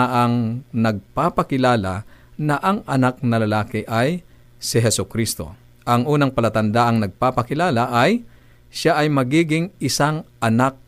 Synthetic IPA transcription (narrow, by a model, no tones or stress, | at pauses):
ʔɐŋnɐɡ̚paːpɐkɪlaːlanɐʔɐŋɐnak̚nɐlɐlaːkɪʔaj | sɪɦɛsʊkɾist̪o̞̰ | ʔɐŋʔuːnɐŋpɐlɐt̪ɐnd̪aʔɐŋnɐɡ̚paːpɐkɪlaːlaʔaj | ʃaʔɐjmɐɡiːɡɪŋʔɪsaŋʔɐnak̚